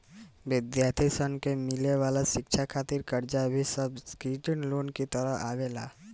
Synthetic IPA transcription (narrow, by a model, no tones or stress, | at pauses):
ʋɪd̪jaːɾt̪ʰisənkemɪleʋaːlaʃɪkʃʰakʰaːt̪ɪɾkəɾd͡ʒabʱisəbskɾiːʈənloːnkit̪əɾəɦaːʋeːlaː